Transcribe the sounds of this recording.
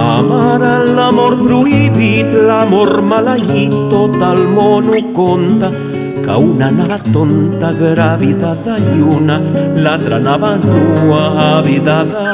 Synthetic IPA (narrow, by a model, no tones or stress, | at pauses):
a̰maɾalamoɾbɾuiβit̪lamoɾmalaʝit̪ot̪almonukont̪a | ka̰wnanaβat̪ont̪aɡɾaβiðaðaʎjunalat̪ɾanaβanuaːβiðað